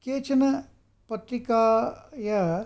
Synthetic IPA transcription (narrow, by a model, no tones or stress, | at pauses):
keːt͡ʃʰɐnɐ | pɐt̪ɾikaːjɐ